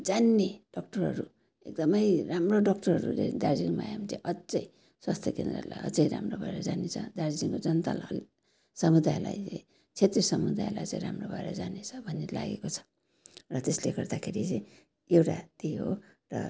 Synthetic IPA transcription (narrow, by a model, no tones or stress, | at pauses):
d͡zanːeɖ̥ʌk̚ʈʌrɦʌɾu | ek̚d̪ʌmʌjramroɖʌk̚ʈʌrɦʌɾṵt͡sʌĩd̪ard͡ziŋma̰jamit͡sã̰j̃ʔʌt͡sʌj | swast̪ʰjʌkend̪ra̰la̰jʌ̰t͡sʌjɾa̰mrobʱaeɾʌd͡zanet͡sʰʌ̰d̪ard͡ziŋkod͡zʌnt̪a̰lɦʌl | sʌmud̪ajla̰jt͡sʌj̃ | t͡sʰet̪risʌmud̪ajlajt͡sã̰ĩɾamrobʱaeɾʌ̰d͡zanet͡sʰʌbʱʌnːela̰ɡekot͡sʰʌ̥ | rʌt̪esleɡʌrd̪akʰeɾit͡sãj̃ | ewʈa̰t̪eɦo̰rʌ̰